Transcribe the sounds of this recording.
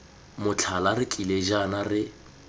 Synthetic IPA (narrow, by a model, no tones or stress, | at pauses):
mʊt͡ɬʰalarɪkʼileʒanarɪ